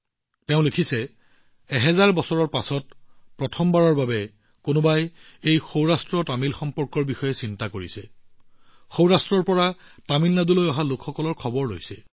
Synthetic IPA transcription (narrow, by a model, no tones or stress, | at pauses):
teʊ̃lekʰisɛ | ɛɦɛzaɹbɔsɔɹɔɹpasɔtpɹɔtʰɔmbaɹɔɹbabɛ | konʊbajejxowɹastɹɔtamilxɔmpɔɹkɔɹbixɔjɛsintakoɹisɛ | xowɹastɹɔɹpɔɹatamilnadulojɔɦalʊkʰxɔkɔlɔɹkʰɔbɔɹːo̰jsɛ